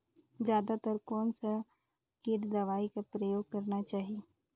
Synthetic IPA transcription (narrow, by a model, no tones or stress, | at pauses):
zjaːd̪at̪əɾkɔːnsa | keʈd̪ɐʋaːikapɾəjoːɡ̚kɐɾnat͡ʃaːɦieː